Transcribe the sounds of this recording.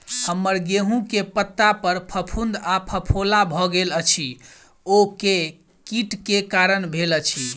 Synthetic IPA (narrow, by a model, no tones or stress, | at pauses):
həmːəɾɡeɦũkepət̪ːapəɾpʰəpʰund̪apʰəpʰolabʱɔɡelət͡ʃʰi | oke | kiʈkekaɾənbʱelət͡ʃʰi